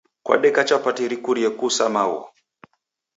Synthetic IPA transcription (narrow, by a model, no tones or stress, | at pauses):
kwa̰ɗɛkat͡ʃapatiɾikuɾiɛkusamawɔ̰